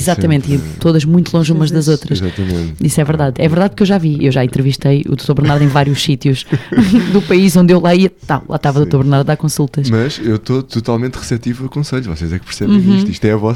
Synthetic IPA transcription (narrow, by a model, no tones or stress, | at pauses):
izat̪ɐmẽnt̪it̪oðɐʒmũj̃t̪ulˠõʒumɐʒðɐzot̪ɾɐʃzat̪ɐmḛ̃nt̪isɛvɨɾðaðɛvɨɾðaðpuɾkewʒaviewʒaẽnt̪ɾɨviʃt̪ɐjṵðot̪oɾβɾnaɾðẽj̃vaɾjuʃsit̪juʃd̪upɐiʃõnd̪ewlˠaiɐt̪awlˠa̰ʃt̪avɐðot̪oɾβɨɾnaɾðːakõsulˠt̪ɐʃmɐʃewt̪ot̪ut̪alˠmẽnt̪ʁɨsɛt̪ivɐukõsɐʎuvɔ̰sezɛkpɨɾsɛβ̃iʃt̪iʃt̪ɛɐvɔs